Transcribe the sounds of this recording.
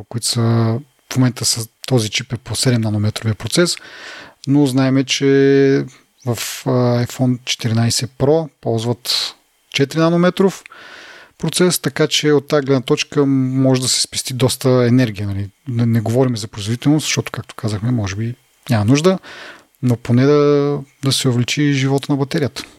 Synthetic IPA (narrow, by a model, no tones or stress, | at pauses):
kʊit̪sə | fmomɛnt̪əsət̪ɔzit͡ʃipɛɾposɛd̪ɛmnanomɛt̪ɾoviəɐpɾot̪sɛsnoznaɛmɛt͡ʃɛ | vɐfajfɔnt͡ʃɛ̥t̪iɾinajsɛpɾɔpɔlˠzvɐt̪ | t͡ʃɛt̪ɾinanomɛt̪ɾof | pɾot̪sɛst̪ɐkat͡ʃɛot̪ːaːɡlɛd̪nɐt̪ɔt͡ʃkəmɔʒɛd̪ɐsɛ̥spɛst̪id̪ɔst̪əɛnɛɾɡʲiənɐlinɛɡovɔɾimɛzɐpɾoizvod̪it̪ɛlˠnoszəʃt̪ɔt̪o̥kak̚t̪o̥kazəxmɛmɔʒɛbi | nʲamɐnuʒd̪ə | noponɛd̪ɐd̪ɐsɛovlit͡ʃiʒivɔt̪ənɐbɐt̪ɛɾijət̪ə̥